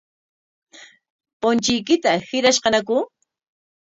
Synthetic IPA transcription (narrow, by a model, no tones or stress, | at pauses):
pʊnt͡ʃɪjkɪt̪ahɪɾaʃqɑnakʊ